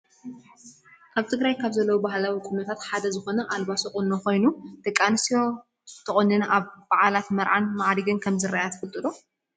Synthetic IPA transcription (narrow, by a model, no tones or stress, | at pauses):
kʰaβt̪ʰɨɡɾajkʰaβzɐlːɐwubaɦlawikʼʊnɐt̪ʰat̪ħad̪ɐzɨxo̞nɐʔalbasokʼʊnːoko̞jnud̪̥ɨkʼːansijo̞ | t̪ʰɨχʼʊnːɨnʔaβbaʕalat̪mɐɾʕanmaʕd̪iɡɨnkʰɐmzɨraʔjat̪ʰfɨlt̪ʼɨd̪o